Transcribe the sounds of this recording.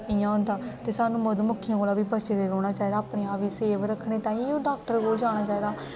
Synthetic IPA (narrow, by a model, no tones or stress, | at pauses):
ɪjãːʊ̃nd̪aːt̪eːsaːnũːməd̪mʊkʰːiãkoːlaːbiːbət͡ʃed̪eːɾoːɽ̃aːt͡ʃaːiːd̪aːpɽeːaːʋiːseːʋɾəkʰɽeːt̪aːĩːõːɖaːk̚ʈəɾkoːld͡ʒaːɽ̃aːt͡ʃaːiːd̪aː